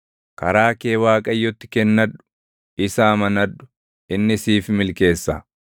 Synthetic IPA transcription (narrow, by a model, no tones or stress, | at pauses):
kɐ̰ɾaːke̞ːwaːkʼɐjːɔt̪ːɪ̥kɛnːɐᶑʊ̥ | ʔɪsaːmɐnɐᶑʊ̥ | ʔɪnːɪsiːfmɪlke̞ːsːa̰